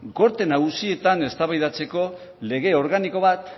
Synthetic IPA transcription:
ɡo̞ɾt̪e̞naɣusie̞t̪ane̞st̪aβajðat͡se̞ko̞ | le̞ɣ̞e̞o̞ɾɣaniko̞βat̪

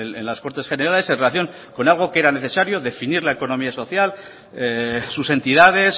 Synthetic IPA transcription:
enlasko̞ɾt̪esχe̞ne̞ɾale̞senrelaθjo̞ŋ | ko̞nalɣ̞o̞ke̞ɾane̞θe̞saɾjo̞ðe̞finiɾlaeko̞no̞miaso̞θjal | eːuse̞nt̪iðaðe̞s

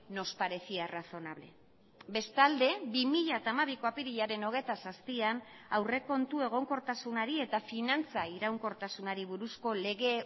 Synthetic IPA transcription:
no̞spaɾe̞θiaraθo̞naβle̞̰ | be̞st̪ald̪e̞bimiʎat̪aːmaβ̞ikoapiɾiʎaɾe̞no̞ɣ̞e̞t̪asaspianawre̞ko̞nt̪ue̞ɣ̞o̞ŋko̞ɾt̪asunaɾie̞t̪afinant͡saiɾawŋko̞ɾt̪asunaɾiβuɾusko̞le̞ɣe̞

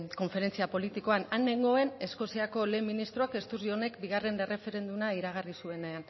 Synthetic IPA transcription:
ko̞ɱfe̞ɾe̞nt͡siapo̞lit̪iko̞anane̞ŋɡo̞ene̞sko̞siako̞le̞ːmːinist̪ɾoake̞st̪urio̞ne̞kbiɣare̞nere̞fe̞ɾe̞nd̪unaiɾaɣ̞arisue̞ne̞an

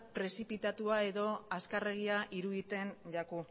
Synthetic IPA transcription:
pɾe̞sipit̪at̪uae̞ðo̞askare̞ɣ̞iaʔiɾuðit̪e̞nʎaku

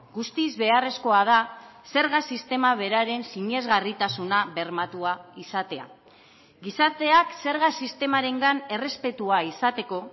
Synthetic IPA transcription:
ɡust̪izβe̞are̞sko̞að̞ase̞ɾɣasist̪e̞maβ̞e̞ɾaɾe̞nsiɲe̞zɣarit̪asunaβe̞ɾmat̪uaisat̪e̞a̰ | ɡisat̪e̞akse̞ɾɣasist̪e̞maɾe̞ŋɡane̞re̞spe̞t̪uaisat̪e̞ko̞

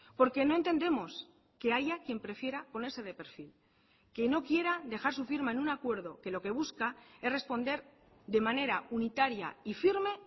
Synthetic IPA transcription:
po̞ɾke̞no̞e̞nt̪e̞nd̪e̞mo̞s | ke̞aʝakje̞mpɾe̞fje̞ɾapo̞ne̞ɾse̞ð̞e̞pe̞ɾfil | ke̞no̞kje̞ɾad̪e̞xaɾsufiɾmaenunakwe̞ɾðo̞ke̞lo̞ke̞β̞uskae̞sre̞spo̞nd̪e̞ɾ | d̪e̞mãne̞ɾaunit̪aɾja̰ifiɾme̞

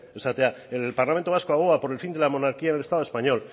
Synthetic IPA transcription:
oseat̪eaelpaɾlament̪o̞askoaɣoapo̞ɾe̞lfind̪e̞lamo̞naɾkiaenelest̪aðoespaɲo̞l

